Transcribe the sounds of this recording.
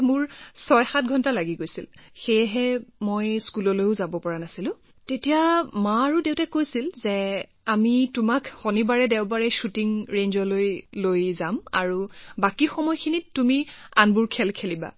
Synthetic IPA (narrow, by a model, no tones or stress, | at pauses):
mʊɹsɔjxat̚ɡʱɔntalaɡiɡojsilxejɦɛmojskulɔlojʊzabɔpɔɹanasilʊ̃ | tetijamaɹudeʊtakojsilzɛ | amitumakxɔnibaɹɛdɛʊbaɹɛʃutiŋɹenzɔlojlojzama̰ɹubakixɔmɔjkʰinittːumianbuɹkʰɛlkʰeliba̰